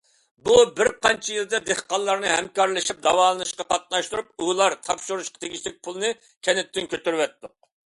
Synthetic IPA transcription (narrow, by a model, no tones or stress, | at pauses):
bubɪɾqɑnt͡ʃʰijilˠd̪ɛd̪eχqɑnˠːɑɾnɨɦɛ̰mkɑɾlˠɨʃip̚d̪ɑwɑːlˠnɨʃqɑqʰɑt̪̚nɑʃt̪uɾup̚ulˠɑɾt̪ʰɑpʃuɾuʃqɑ̥t̪ʰeɡʲit͡ʃlɪk̚ʲpʰulˠɨnɨ | kʲʰɛnɪt̪ʰːɪnkʲʰøt̪yɾwɛt̪ːʊq̚